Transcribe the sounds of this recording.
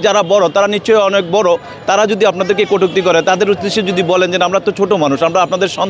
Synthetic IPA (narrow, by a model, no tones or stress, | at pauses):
d͡ʑaɾabɔɽot̪aɾanit͡ɕʰoeɔnek̚bɔɽo | t̪aɾad͡ʑod̪iapnad̪eɾkekoʈʰuk̚t̪ikɔɾet̪ad̪eɾud̪eʃod͡ʑod̪ibɔlend͡ʑenamɾaɛt̪ːot͡ɕʰoʈomanuʃamɾaapnad̪eɾʃɔn